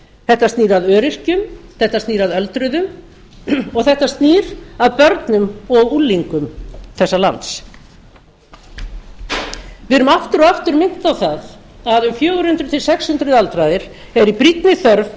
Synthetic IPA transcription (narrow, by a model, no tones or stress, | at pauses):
θɛht̪ːast̪niːɾaðœːɾɪr̥cʏmθɛht̪ast̪niːɾaðœlt̪ɾʏðʏm | ɔɣθɛht̪ast̪niːɾ̥aðpœɾt̪nʏmɔɣulːiŋkʏmθɛsːala̰nt̪s | vɪɾʏmaft̪ʏɾɔaft̪ʏɾmɪn̥t̪awθað | aðʏmfjoːwɾ̥ʏnt̪ɾʏt̪ʰɪlsɛkshʉnt̪ɾʏðalt̪ɾaðɪɾ̥ɛɾipɾit̪nɪθœɾv